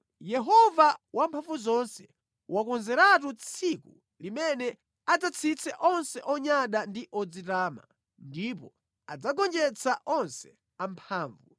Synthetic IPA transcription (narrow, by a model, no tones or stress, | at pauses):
jɛɦɔvawampʰaɱvuzɔnsɛ | wakɔnzɛɾatut͡sʰiku | limɛnɛ | ad͡zat͡sʰit͡sʰɛʔɔnsɛʔɔɲaɗandiʔɔd͡zitaːma̰ | ndipɔ | a̰d͡zaɡɔnd͡ʒɛt͡sʰaʔɔnsɛ̥ | ampʰaːɱvu